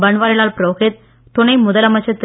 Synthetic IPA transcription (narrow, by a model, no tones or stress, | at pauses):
bɐɳʋaːɾɪlaːlpɾoːɣet̪̚ | t̪ːʊnɐɪmʊðɐlɐmɐt͡ʃːɐt̪ː